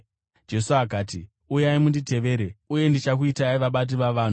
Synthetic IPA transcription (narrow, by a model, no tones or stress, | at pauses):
d͡ʒe̞suakaːti | ujaimundite̞ʋe̞ːɾeuje̞ndit͡ʃak̬uitaiʋaɓat̬iʋaʋaːn̤u